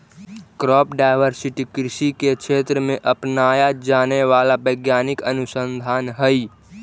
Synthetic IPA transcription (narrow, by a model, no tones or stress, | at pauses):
kɾɔːpɖaːɪʋəɾsɪʈikɾɪʃikekʃeːt̪ɾəmẽʔəpnaːjad͡ʒaːneʋaːlabəɪɡjaːnɪkənʊsə̃nd̪ʱaːnɦəi